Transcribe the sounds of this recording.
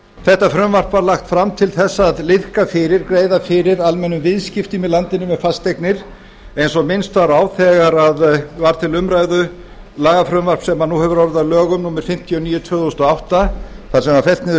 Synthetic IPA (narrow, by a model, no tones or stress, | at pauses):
θɛht̪afɾʏmvar̥pvaɾlaxt̪fɾamt̪ʰɪlθɛsːaðlɪðkafɪɾɪɾkɾeːjðafɪɾɪɾalmɛnːʏmvɪðscɪft̪ɪmɪlant̪ɪnʏmɛfast̪ejknɪɾ̥ | ejnsɔmɪnst̪vaɾaːwθɛɣaɾaðvaɾ̥t̪ʰɪlʏmɾajðʏ | laːɣafɾʏmvar̥psɛmanuhɛvʏɾɔɾɪðavlœːɣʏmnuːmɪɾ̥fɪm̥t̪ʰijɔniːjʏt̪ʰvœːθost̪ɔawht̪a | θḁsɛmaɾfɛl̥t̪nɪðʏ